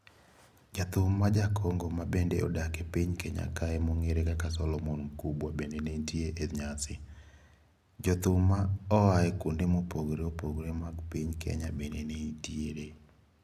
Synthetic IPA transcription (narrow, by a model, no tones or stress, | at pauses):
d͡ʒat̪ʊmːad͡ʒakʰɔŋɡɔmabendeɔ̰dakepiɲkeɲa̰kaɛmoŋeɾekakasɔlɔmɔnkubwabendeneitieʔeɲasɪ | d͡ʒɔt̪ʊmːaɔaɛkundemopoɡɾeopoɡɾemaɡpiɲkʰḛɲabendeneitjeɾe